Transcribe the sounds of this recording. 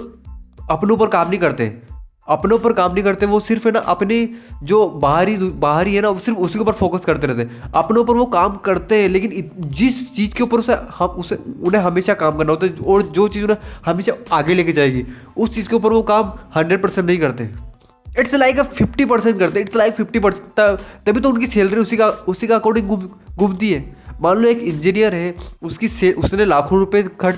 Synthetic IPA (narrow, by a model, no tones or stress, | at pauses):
ɐpneuːp̬əɾkaːmnɐɦĩkɐɾt̪eɦɛ̰̃ | ɐpneʊpəɾkaːmnɐɦĩkɐɾt̪eɦɛ̃ʋosɪɾfɦɛnaʔɐpned͡ʒoːbaːɦɾid̪baːɦɾiɦɛnasɪɾfʊskeuːpəɾfoːkəskɐɾt̪eɾɛɦt̪eɦɛ̃ɐpneup̬əɾʋokaːmkɐɾt̪eɦɛ̃leːkɪnɪd͡ʒɪst͡ʃiːzkeʊpəɾʊsehɐʊseʊnɦẽɦɐmeːʃakaːmkɐɾnaɦoːt̪aɦɛɔːɾd͡ʒoːt͡ʃiːzʊnẽhɐmeːʃaaːɡeleːked͡ʒaːeːɡi | ʊst͡ʃiːzkeʊp̬əɾʋokaːmhɐ̃ɳɖɾeɖ̚pɐɾsɛ̃ɳʈnɐɦĩkɐɾt̪eɦɛ̃ː | ɪʈslaːɪkpʰɪfʈipɐɾsɛ̃ɳʈkɐɾt̪eɦɪʈslaːɪkfʰɪfʈipɐɾsɛ̃ɳʈt̪ɐt̪ɐbʱit̪oʊnkiseːlɖɾĩʊsikaʊsikakoːɽɪ̃ɡʊmɡʊmt̪iɦɛːmaːlumeːkɪ̃nd͡ʒinijəɾɦɛʊskiseːʔʊsnelaːkʰõɾʊpekʰɐ